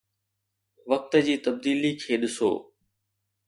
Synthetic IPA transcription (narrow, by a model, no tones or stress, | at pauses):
ʋɐk̚t̪əd͡ʑiːt̪ɐb̚d̪iːlikʰeːɗɪso̰ː